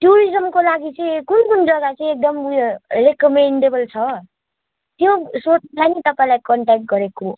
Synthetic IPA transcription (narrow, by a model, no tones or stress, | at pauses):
ʈjuɾid͡zʌmkolaɡit͡sʌĩkunkund͡zʌɡat͡sʌĩek̚d̪ʌmrekʌmeɳɖebʌlt͡sʰʌ | t̪josot͡slajnʌt̪ʌpaĩlajkʌɳʈak̚ʈ̚ɡʌɾeko